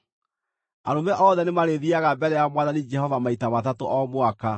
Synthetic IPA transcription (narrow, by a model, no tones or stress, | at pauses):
a̰ɾomɛʔɔːðɛnemaɾeðiaɣabɛɾɛjamwaðanid͡ʒɛhɔvamaitamatatoʔɔmwaka